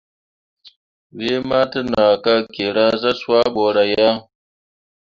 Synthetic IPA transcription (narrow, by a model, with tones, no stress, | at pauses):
we˦ma˦tə˦na˨ka˦ke˨ɾa˦za˦sa˦ɓo˨ɾa˨ja˦